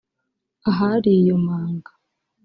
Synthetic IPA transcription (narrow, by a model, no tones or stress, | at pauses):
aɦaɾijomaːŋɡḁ